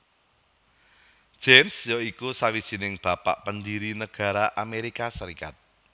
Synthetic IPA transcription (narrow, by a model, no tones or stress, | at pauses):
d̥ʒ̥emsjoikusawid̥ʒ̥i̤nɪŋb̥a̤pa̰ʔpənd̪iɾinəɡ̥a̤ɾaʔameɾikasəɾika̰t̪̚